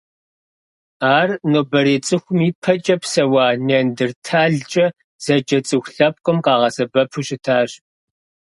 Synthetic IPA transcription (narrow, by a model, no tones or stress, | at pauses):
aːrnoːbɐɾeːt͡sʼɨxʷʊmiːpʰɐt͡ʃʼɐpsɐwɑːnendɨrtʰaːɮt͡ʃʼɐ | z̥ɐd͡ʒʼɐt͡sʼɨxʷɬɐp̚qʼʊmqɑːʁɐsɐbɐpʰuɕʼɪtʰaːɕ